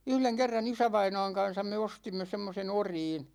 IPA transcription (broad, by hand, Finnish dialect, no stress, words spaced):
yhleŋ kerːɑn isæʋɑinɑ̝ːŋ kɑn̞sɑm me ostimːe semːosen oriːn